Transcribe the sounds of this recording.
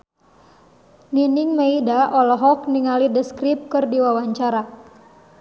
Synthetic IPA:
niniŋmeidaʔɔlɔɦɔk̚niŋalidəskɾip̚kɨrdiwawaɲt͡ʃaɾa

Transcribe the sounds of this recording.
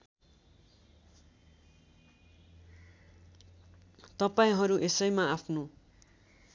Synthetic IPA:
t̪ʌpaĩɦʌɾuʔesʌjmaapʰno

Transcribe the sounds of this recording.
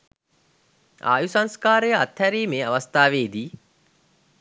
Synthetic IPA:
a̰ːjusaŋskaːɾəjəat̪hæɾiːmeːaʋɐst̪aːʋeːd̪iː

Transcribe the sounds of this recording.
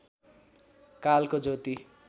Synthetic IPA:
kalkod͡zot̪i

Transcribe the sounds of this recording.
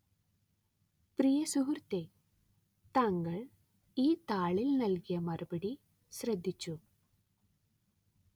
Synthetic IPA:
prijɐsuɦurt̪ːe | t̪ɐŋɡɐɭ | iːt̪aːɭilnɐlkijɐmɐrubɐɽi | ɕrɐd̪ʱːit͡ɕːu

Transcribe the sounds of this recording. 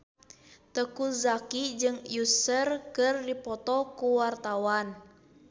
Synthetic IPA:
t̪əkuzakid͡ʒɨŋjusərkɨrdipɔt̪ɔkuwart̪awan

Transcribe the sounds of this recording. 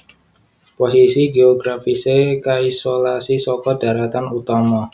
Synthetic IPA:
posisiɡeɔɡɾafisekaisolasisɔkɔd̥a̤ɾat̪anut̪ɔmɔ

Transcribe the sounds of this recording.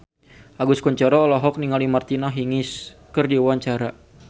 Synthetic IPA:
ʔaɡuskɔɲt͡ʃaɾɔɔlɔɦɔk̚niŋalimart̪inaɦiŋɪskɨrdiwaɲt͡ʃaɾa

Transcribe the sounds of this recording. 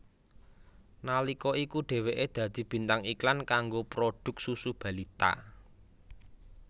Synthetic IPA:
nalikɔikuɖ̥e̤weʔed̪̥ä̤d̪̥i̤b̥i̤nt̪aŋiklankaŋɡopɾoɖ̥ʊ̤k̚susub̥ä̤lit̪a̰ʔ

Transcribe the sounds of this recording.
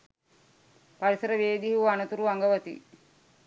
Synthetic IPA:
paɾisəɾəʋeːd̪iɦuanət̪uɾuʋaŋɡəʋət̪ḭ

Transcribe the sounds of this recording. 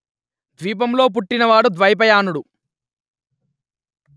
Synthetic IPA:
d̪ʋiːp̬ɐmlo̞ːp̬uʈːinɐʋaːɽud̪ʋɐjɐp̬ɐjaːnuɽu

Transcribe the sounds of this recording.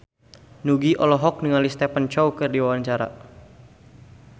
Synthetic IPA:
nuɡiʔɔlɔɦɔk̚niŋalist̪ɛpant͡ʃɔwkɨrdiwawaɲt͡ʃaɾa̰

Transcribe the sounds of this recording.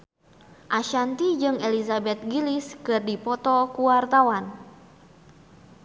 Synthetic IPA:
ʔaʃant̪id͡ʒɨŋelizabɛt̪̚ɡiliskɨrdipɔt̪ɔkuwart̪awan

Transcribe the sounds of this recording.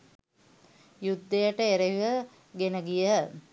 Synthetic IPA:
jud̪ːejəʈəeɾejuʋə | ɡenəɡijə

